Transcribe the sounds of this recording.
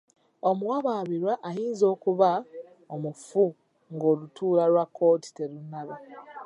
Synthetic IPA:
omuwaβaːβiɾwaʔajiːnzo̞ːkuβa | omufu | ŋɡo̞ːlutuːlaɾwakʰːo̞ːti̥te̞ɾunːaβe

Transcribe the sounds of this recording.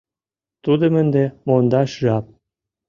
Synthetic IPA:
t̪ud̪ə̆mənd̪emond̪ɑʃʒɑp̚

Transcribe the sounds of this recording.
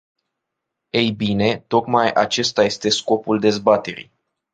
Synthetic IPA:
ejbine̞t̪o̞kmajʔat͡ʃe̞st̪aje̞st̪e̞sko̞puld̪e̞zbat̪e̞ɾḭj

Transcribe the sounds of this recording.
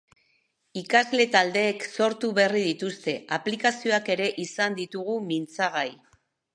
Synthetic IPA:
ikazle̞t̪ald̪e̞ːkso̞ɾt̪uβe̞riðit̪ust̪e̞aplikasio̞ake̞ɾe̞ʔisand̪it̪uɣ̞umint͡saɣaj

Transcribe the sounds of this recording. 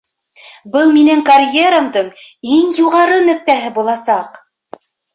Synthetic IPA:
bɤlˠminæŋkɐrʲjeɾamd̪ɤɴiŋjuʁɑɾɤnɵ̆k̚t̪æɦɘbulˠɑsɑq

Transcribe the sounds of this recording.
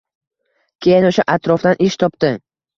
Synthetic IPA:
kʲʰejɪnʊʃaʔat̪ɾɒfd̪anʔɪʃt̪ʰɒpd̪ɪ

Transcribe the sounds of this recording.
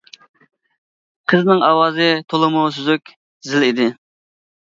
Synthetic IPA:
qʰəznɨŋʔɑwɑːzɨt̪ʰolˠɨmʊsyzykʲ | zɪlid̪ɪ

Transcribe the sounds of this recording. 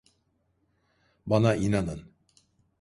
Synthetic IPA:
banaʔinanɯn

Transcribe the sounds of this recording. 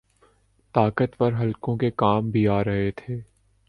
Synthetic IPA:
t̪aːkət̪pɐɾɦɐlkõkekaːmbʱiaːɾɐɦet̪ʰeː

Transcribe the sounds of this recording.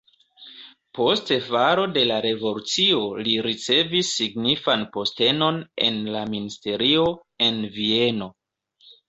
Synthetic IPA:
po̞stevaɾo̞de̞laɾe̞vo̞lut͡sio̞liɾit͡se̞visːiɡnifanpo̞ste̞no̞ne̞̰nlaministe̞ɾio̞ | e̞nvie̞no̞

